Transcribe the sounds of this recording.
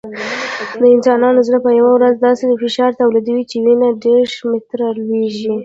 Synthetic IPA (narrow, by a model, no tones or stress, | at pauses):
d̪əɪnsɑnɑnozɾapəjawawɾazd̪ɑsed̪əfɪʃɑɾt̪awlid̪əwit͡ʃewinaɖeɽmɪt̪ɾɑlweʒi